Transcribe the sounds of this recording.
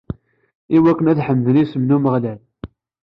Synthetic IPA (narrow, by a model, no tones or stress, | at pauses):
iwækːənæðħəmːðənisəmnuməʁlæl